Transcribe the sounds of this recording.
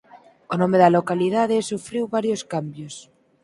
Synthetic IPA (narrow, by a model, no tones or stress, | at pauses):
onõmeðalokaliðaðesufɾiwβaɾjoskambjos